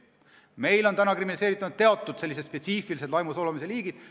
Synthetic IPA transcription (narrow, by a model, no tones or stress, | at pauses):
me̞jlo̞nt̪ænɑkriminliseːɾit̪ːˑɑnud̪̚e̞ɑt̪ːˑud̪̥se̞lːiset̪spe̞t̪siːfilise̞d̪lɑjmusolemise̞liːɡ̥id̪̥